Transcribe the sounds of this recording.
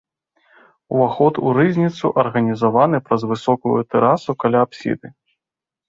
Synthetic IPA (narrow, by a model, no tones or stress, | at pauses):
uvaxɔt̪uɾɨzʲnʲit̪suʔɐrɣɐnʲizavanɨpɾɐzvɨsɔkɐɣṵt̪ɛɾasukalʲaːpsʲḭd̪ɨ